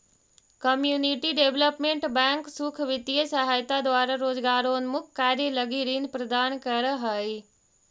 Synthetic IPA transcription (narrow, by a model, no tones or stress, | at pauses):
kɐmjuːniʈiɖeːʋləpmẽɳʈbɛ̃ːŋksukʰʋɪt̪iəsɐɦaːjt̪ad̪wʋaːɾaɾoːzɡaːɾoːnmʊkkːaːɾjilɐɡiɾiːnpɾɐd̪aːnkɐɾəɦəi